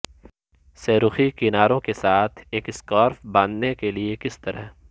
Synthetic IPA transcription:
seːɾʊxikɪnaːɾõkesaːt̪ʰeːkɪskɔːɾfbãːnd̪nekeliekɪst̪ɐɾəɦ

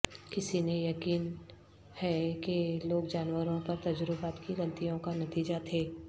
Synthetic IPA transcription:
kɪsinejɐkiːn | hɛkeloːk̚d͡ʒaːnwəɾõpɐɾt̪ɐd͡ʒəɾʊbaːt̪kiɾɐ̃lt̪ijõkanɐt̪iːd͡ʒat̪ʰeː

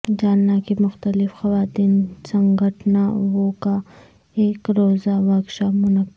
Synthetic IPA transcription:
d͡ʒaːnːakimʊxt̪əlɪfxɐwaːt̪iːnsɐŋɡəʈnawoka | eːkɾoːzaʋaːkʃamʊnɐk

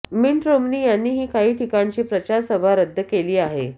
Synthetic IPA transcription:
minʈɾomniːjanːiːɦiːkaɦiːt̪ʰikaɳt͡ɕiːpɾət͡ɕaɾsəʋaɾəd̪ʱːəkeliːaɦḛ

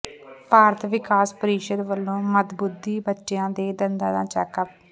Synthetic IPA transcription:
paːɾət̪ʰʋɪkaːspəɾiːʃəd̪ʋəlːõːmət̪bʊd̪ːiːbətːʃjãːd̪eːd̪ənd̪ãːd̪ã̰ːt͡ʃɛːkap

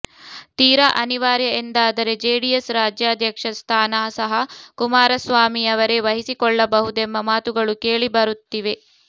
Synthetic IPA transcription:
t̪iːɾɐʔɐniʋaːɾjɐend̪aːd̪ɐɾe̞d͡ʒeːɖijesɾaːd͡ʒjaːd̪ʱjɐkʂɐst̪ʰaːnaːsɐɦɐkumaːɾɐsʋaːmiɐʋɐɾe̞ʋɐɦisikɔɭːɐbɐɦud̪emːɐmaːt̪uɡɐɭuke̞ːɭibɐɾut̪ːiʋe̞

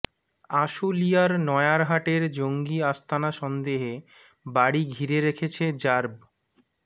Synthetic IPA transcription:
aʃulijaɾnɔeaɾɦaʈeɾd͡ʑoŋɡiast̪ʰanaʃɔnd̪eɦe | baɽiɡʱiɾeɾekʰet͡ɕʰed͡ʑaɾb

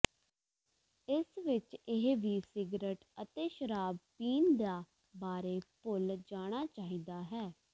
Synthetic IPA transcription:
ɪsʋɪt͡ʃɪɦʋiːsɪɡɾəʈət̪eːʃəɾaːb̚piːnd̪aː | baːɾeːpʊld͡ʒaːɽ̃aːt͡ʃaːɦiːd̪aːɦɛː

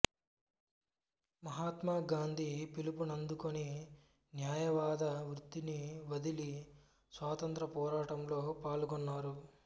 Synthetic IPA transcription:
mɐɦaːt̪maːɡaːnd̪ʱipilupunɐnd̪ukoni | njaːjɐʋaːd̪ɐʋɾut̪ːiniʋɐd̪ili | sʋaːt̪ɐnt̪ɾɐpɔːɾaːʈɐmlo̞ːpaːlɡɔnːaːɾu

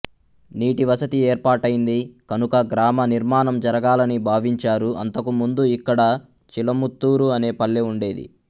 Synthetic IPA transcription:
niːʈiʋɐsɐt̪ieːɾpaːʈɐjind̪ikɐnukɐɡɾaːmɐniɾmaːnɐmd͡ʒɐɾɐɡaːlɐnibʱaːʋiɲt͡ʃaːɾuɐ̰nt̪ɐkumund̪uikːɐɽɐ | t͡ʃilɐmut̪ːuːɾuɐne̞ːpɐɭːeuɳɖe̞ːd̪ḭ

